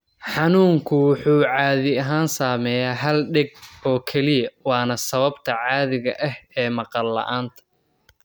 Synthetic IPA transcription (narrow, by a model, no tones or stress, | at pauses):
ħɑnuːŋkʰʊwʊħuːʕɑːðɪɐɦaːnsaːmɛjaːɦɐlɖɛɡ̚ɔːkʰɛlɪjɐwɑːnɐsɐβɐbt̪ʰɐʕɑːðɪɣɐ̰ʔɐhɛːmɑqɑlːɐ̰ʔaːnt̪ʰɐ̥